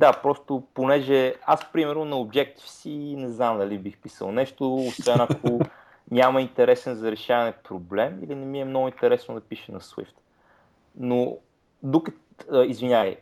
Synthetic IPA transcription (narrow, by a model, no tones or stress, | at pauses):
d̪apɾɔst̪oponɛʒɛaspɾimɛɾnonɐobd͡ʒɛk̚t̪i̥fsinɛznamd̪ɐlibixpisə̰lˠnɛʃt̪oosvɛnɐkʰo | nʲamɐint̪ɛɾɛsɛnzɐɾɛʃavɐnɛpɾoblɛmḭlinɛmiɛmnɔɡʊint̪ɛɾɛsnod̪ɐpiʃɛnɐswḭft̪ | no | d̪ukə | izvinʲaj